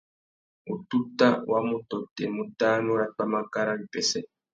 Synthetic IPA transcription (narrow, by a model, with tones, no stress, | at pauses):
u˨tu˦ta˦wa˦mu˦tɔ˨tɛ˨mu˨ta˦nu˦ɾa˦k͡pa˦ma˦ka˦ɾa˦βi˨pɛ˨sɛ˦